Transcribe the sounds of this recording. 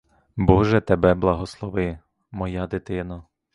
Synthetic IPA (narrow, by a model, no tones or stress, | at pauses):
bɔʒɛt̪ɛbɛblˠɐɦɔslˠɔʋɪ | mɔjad̪ɪt̪ɪnɐ